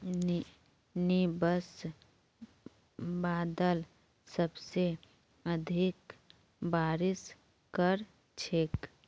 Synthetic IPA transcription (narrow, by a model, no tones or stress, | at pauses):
nibəs | baːd̪əl | səbse | əd̪ʱik | baːɾɪs | kəɾ | t͡ʃʰek